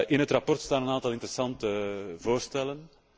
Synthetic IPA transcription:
ʔɪnɦətrapɔrtstaːnənaːntɑlˠɪntəɾəsɑntəvoːrstɛlən

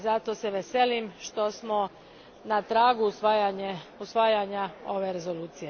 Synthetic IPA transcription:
zat̪o̞seʋese̞limʃt̪o̞smo̞ | nat̪ɾaːɡusʋajaɲeusʋaːjaɲao̞ʋe̞ɾe̞zo̞luːt̪sije̞

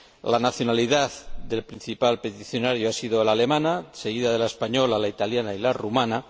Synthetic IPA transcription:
lanaθjonaliðaðd̪e̞lpɾin̟θipalpet̪iθjo̞naɾjoasiðolale̞mãnaseɣiðaðe̞laespaɲolalait̪aljanailarumãna

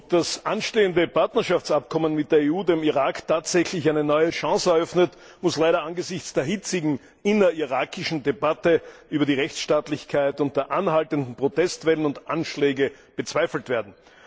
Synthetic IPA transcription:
d̥asʔanʃteːəndəpʰaɐtnɐʃaft͡sap̚kʰɔmənmɪt̚d̥eːɐeːuːdemiʁaːktʰaːtz̥ɛçlɪçæɪnənɔʏəʃãsəɛɐœfnət | mʊslaɪɾɐanɡəzɪçt͡sd̥eːɐɦɪt͡sɪɡŋ̩ | ɪnɐiʁaːkʰɪʃn̩debatəʔyːbɐdiʁɛçt͡sʃtaːtlɪçkʰaɪtʊnt̚d̥eːɐʔanhaltəndn̩pʁ̥otɛstvɛlənʊntʔanʃlɛːɡə | b̥ət͡sv̥aɪfl̩tv̥eːɐdn̩

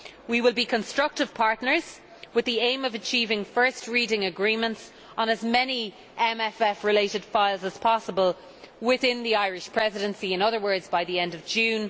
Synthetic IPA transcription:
wiwɪlˠbikʰɨ̃nstɹ̥ʌk̚tɨv̥pʰaɹtⁿnə˞z̥ | wɪðiẽɪ̃mʌvɨt͡ʃʰivɪ̃ŋfɜ˞st̚ɹiɾɪ̃ŋəɡɹĩmə̃nts | n̩əzmɛni | ʔɛ̃mɛfɛfɹɪleɪɾɨd̥faɪlˠzəz̥pʰɑsəbəlˠ | wɪθɪ̃nðiaɪɹɪʃpʰɹ̥ɛzɪɾə̃nsiɪ̃nʌðə˞wɜ˞dzbaɪðiɛ̃ndʌvd͡ʒʉ̃ːn

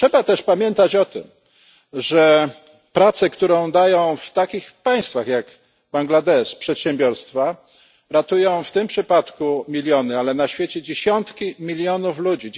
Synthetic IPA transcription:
ʂɛbat̪ɛʂpamʲjɛnt̪at͡ɕɔt̪ɘ̰m | ʐɛ | pɾat̪sɛkt̪uɾɔ̃w̃d̪ajɔ̃w̃ft̪akʲixpaj̃st̪faxjak | baŋɡlad̪ɛʂpʂɛt̪ɕɛmbʲjɔɾst̪fa | ɾat̪ujɔ̃w̃ft̪ɘmpʂɘpat̪kumʲilʲjɔnɘalɛnaɕfʲjet͡ɕɛd͡ʑeɕɔnt̪kʲimʲilʲjɔnuflud͡ʑi

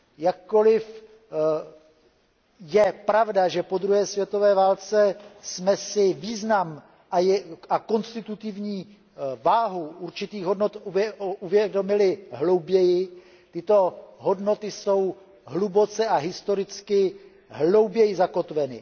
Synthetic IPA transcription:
jakːo̞lɪf | jɛpɾavdaʒɛpo̞d̪ɾuɦɛːsvjɛt̪o̞vɛːvaːlt͡sɛsmɛsɪviːznam | ʔajʔako̞nst̪ɪt̪ut̪ɪvɲiː | vaːɦuʔuɾt͡ʃɪt̪iːɣɦo̞dno̞t̪uɛuvjɛdo̞mɪlɪɦlo̞wbjɛjɪ | t̪ɪt̪o̞ɦo̞dno̞t̪ɪso̞w | ɦlubo̞t͡sɛʔaɦɪst̪o̞ɾɪt͡skɪ | ɦlo̞wbjɛjɪzako̞t̪vɛnɪ

